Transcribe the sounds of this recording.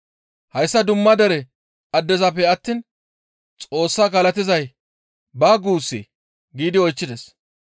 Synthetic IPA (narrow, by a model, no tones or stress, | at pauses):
hɐjsːɐd̪ʊmːɐd̪ɛɾɛ | ɐd̪ːɛzɐpːɛɐt̪ːiːn | t͡sʼo̞ːsːaːkɐːlɐt̪ɪzɐj | baːɡuːsːḭ | ɡiːd̪ɪɔjt͡ʃːɪd̪ɛs